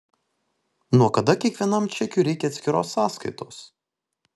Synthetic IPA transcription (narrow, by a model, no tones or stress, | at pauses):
nuɔkɐd̪ɐkʲiɛkʋʲiɛnɐmt͡ʃʲɛkʲʊːɾʲɛɪkʲɛɐt̪ʲsʲkʲɪɾoːsːɑːskɐɪt̪oːs